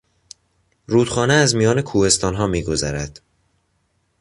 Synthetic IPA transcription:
ɾuːd̪̥χɒːneæzmijɒːne̞kʰuːhe̞st̪ɒːnɦɒːmiːɡo̞zæɾæd̪̥

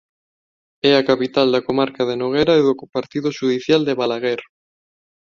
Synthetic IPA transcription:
ɛakapit̪ald̪akomaɾkað̞enoɣ̞ɛɾaeðokpaɾt̪iðʊʃuðiθjald̪eβalaɣeɾ

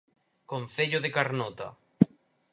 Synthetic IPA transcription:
kon̟θeʎoðekaɾnɔt̪a̰

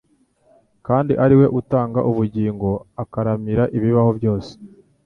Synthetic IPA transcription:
kaːndiʔaɾiwe̞ʔutaːŋɡaʔuβuɟiːŋɡo̞akaɾamiɾaʔiβiβaho̞βjo̞ːse̥

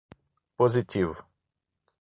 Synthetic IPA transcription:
pozit̪ʲiv

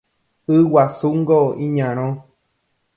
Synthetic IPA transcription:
ɨwasuŋɡoĩɲãɾ̃õ

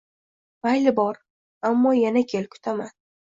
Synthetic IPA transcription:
vajlɪbɒɾ | amːɒjanakʲʰelkʰʊ̥t̪ʰaman

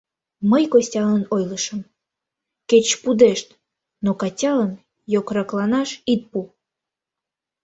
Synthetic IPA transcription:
məjkosʲtʲɑlənojləʃəm | ket͡ɕpud̪eʃt̪ | nokɑtʲɑlən | jokrɑklɑnɑʃit̪̚pu

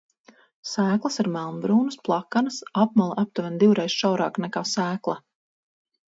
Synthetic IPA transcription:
sæːklˠəsaɾmælˠnbɾuːnusplˠakːanasap̚malˠaʔap̚t̪uvɛnd̪iwɾɛjsʃawɾa̰ːknɛkaːsæːklˠa

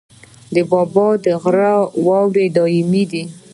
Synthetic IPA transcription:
d̪əbɑbɑd̪əɣɾawɑwɾed̪ɑɪmid̪i

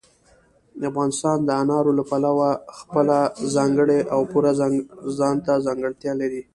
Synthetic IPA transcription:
afɣɑnɪst̪ɑnd̪əanɑɾolapalawaxpəlazɑŋɡəɽeʔawpuɾazɑnt̪azɑŋɡəɽt̪jɑlaɾi

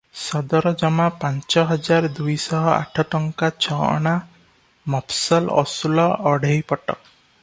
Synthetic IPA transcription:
sɔd̪ɔɾɔd͡ʒɔmapant͡ʃɔɦɔd͡ʒaɾd̪ujsɔɦɔa̰ʈʰɔʈɔŋkat͡ʃʰɔɔ̰ɽ̃a | mɔpsɔlɔ̰sulɔʔɔɽejpɔʈɔ̰k̚

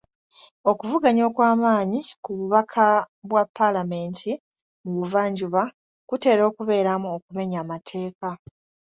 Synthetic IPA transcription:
o̞kuvuɡaɲo̞ːkwaːmaːɲikuβuβakʰa | βwapːalame̞ːntʰi | muβuvaːɲɟuβa | kute̞ːɾo̞ːkuβe̞ːɾamuokume̞ɲaːmatʰe̞ːka

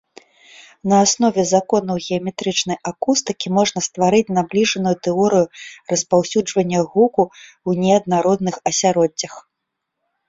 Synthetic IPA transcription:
nɐːsnɔvʲɛzakɔnɐwɣʲɛɐmʲɛt̪ɾɨt͡ʂnɐjʔakust̪ɨkʲimɔʐnɐst̪vaɾɨt͡sʲnablʲiʐɐnujut̪ɛɔɾɨjurɐspawsʲud͡ʐvɐnʲːɐɣuku | wnʲɛɐd̪naɾɔd̪̚nɨxɐsʲaɾɔd͡zʲːɐx

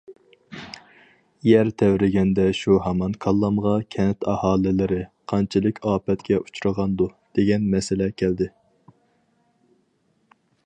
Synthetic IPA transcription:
jɛɾt̪ʰɛwɾɪɡʲɛnd̪ɛʃuɦɑmɑnkʰɑlˠːɑmʁɑkʲʰɛnt̪ʰɑhɑːlɪlɪɾɪqʰɑnt͡ʃʰɪlˠɨkʲʰɑːpɛt̪kʲɛʔu̥t͡ʃʰuɾəʁɑnd̪ud̪̥eɡʲɛnmɛsɪlɛkʲʰæld̪ɪ

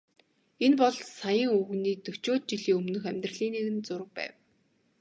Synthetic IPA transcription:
enpɔɮsajə̆ŋɵɣniːt̪ɵt͡ɕoːt̪̚t͡ɕiɮiːŋɵmnɵ̆xæmʲt̪rə̆ɮiːneɣɘ̆nt͡sʊɾə̆k̚pæ̰ːw

